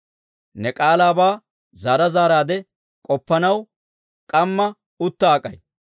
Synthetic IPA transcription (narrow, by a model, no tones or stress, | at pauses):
nɛkʼaːlaːbaː | zaːɾɐzaːɾaːd̪ɛ | kʼɔpːɐnɐw | kʼɐmːɐ | ʊt̪ːaːkʼːɐj